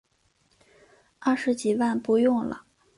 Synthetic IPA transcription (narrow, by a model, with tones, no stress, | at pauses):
a˥˩ʂɻ̩˧˥t͡ɕi˨˩wa˥˧npu˧˥jʊ˥˩ŋlə̰˩